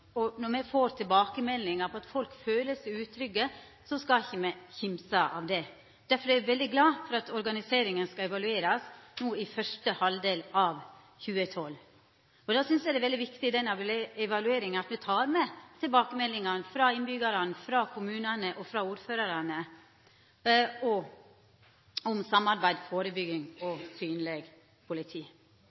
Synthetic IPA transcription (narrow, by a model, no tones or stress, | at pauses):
ɔnɔmɛfoːɾt̪ʰɪlbɑːkəmɛlːɪŋɑpʰɔɑt̪fɔlkføːləsɪʉːt̪ʰːɾʏɡːə | sɔskɑɪçːəmɛçɪmsɑʔɑ̰ʋd̪ɛ | d̪̥æɾfɔɾæɪʋɛld̪ɪɡlɑːfɔɾɑt̪ʰɔɾɡɑnɪseːɾɪŋənskɑɛʋɑlʉeːɾɑsnuːɪfœʂʈəhɑld̪eːlɑʋ | çʉːət̪ʰɔlː | ɔd̪ɑːsʏnsjæɪd̪ɛʋɛld̪ɪʋɪkt̪ɪd̪ɛnɛʋɛʋɑlʉeːɾɪŋənɑt̪mɛt̪ʰɑːɾmɛt̪ʰɪlbɑːkəmɛlːɪŋɑnfɾɑɪnbʏɡɑɾɑnfɾɑkʰʊmʉːnənəʔɔfɾɑuːɾføːɾɑɾɑnə | ɔ | ɔmsɑmːɑɾbæɪd̪foːɾəbʏɡɪŋɔsyːnleːɡ | pʰʊlɪt̪ʰiː